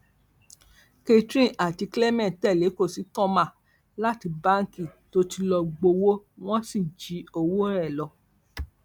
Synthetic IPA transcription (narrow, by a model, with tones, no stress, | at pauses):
ke˧tɾĩ˦˨ʔa˨ti˧kle˦mɛ̃˦˨tɛ˦˨le˨˦ko˦˨si˨˦tɔ̃˦mã˦˨ | la˦ti˧ba˦ŋ˦ki˦˨to˦ti˧lɔ˧ɡ͡bo˧wo˦w̃ɔ̃˦si˦˨d͡ʒi˨˦o˧wo˦ɾɛ˦˨lɔ˧˨